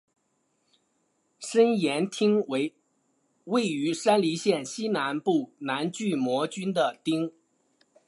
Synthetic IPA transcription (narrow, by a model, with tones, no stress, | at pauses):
ʂə˥njɛ˧˥nt̪ʰi˥ŋwe˧˥ɪ | we˥˩ɪy˧˥ʂa˥nli˧˥ɕjɛ˥˩nɕi˥na˧˥npu˥˩na˧˥nt͡ɕy˥˩mwɔ˧˥t͡ɕy˥nd̪ə˨t̪i˥ŋ